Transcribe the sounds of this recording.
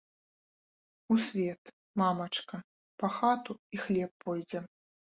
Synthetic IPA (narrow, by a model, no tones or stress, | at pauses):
usʲvʲɛt̪ | mamɐt͡ʂkɐ | pɐxat̪uixlʲɛpːɔjd͡zʲɛ